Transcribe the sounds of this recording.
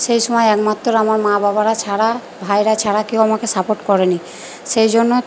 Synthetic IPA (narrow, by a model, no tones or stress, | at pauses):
ʃejʃɔmɔeɛkmat̪ːoɾamaɾmãbabaɾat͡ɕʰaɽa | bʱajɾat͡ɕʰaɽakeowamakesapoʈkɔɾeni | ʃejd͡ʑonːo